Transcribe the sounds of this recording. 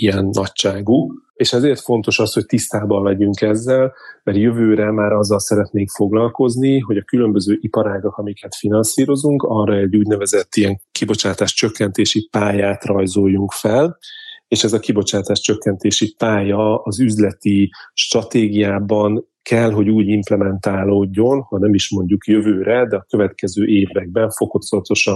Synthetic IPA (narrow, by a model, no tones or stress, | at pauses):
ijɛnːɒct͡ʃaːɡukeːʃɛzeːrt̪fo̞nt̪o̞ʃɒsho̞c̚t̪ist̪aːbɒmlɛɟyŋkɛzːɛlmɛrjøvøːɾɛmaːɾɒzːɒlsɛɾɛt̪neːŋkfo̞ɡlɒlko̞zniɦo̞ɟɒkylø̞mbøzøːʔipɒɾaːɡɒkɒmikɛt̪finɒnsiːɾo̞zuŋkɒrɒɛoɟuːɟnɛvɛzɛt̪ːijɛŋkibo̞t͡ʃaːt̪aːʃt͡ʃøkːɛnt̪eːʃipaːjaːt̪rɒjzojːuŋkfɛleːʃɛzɒkibo̞t͡ʃaːt̪aːʃt͡ʃøkːɛnt̪eːʃipaːjɒɒzyzlɛt̪iʃt̪rɒt̪eːɡijaːbɒŋ | kʰɛlɦo̞ɟuːɟimplɛmɛnt̪aːloːɟːo̞nhɒnɛmiʃmo̞ɲɟukjøvøːɾɛd̪ɛɒkø̞vɛt̪kɛzøːʔeːvɾɛɡ̚bɛɱfo̞ko̞t̪sot̪o̞ʃɒ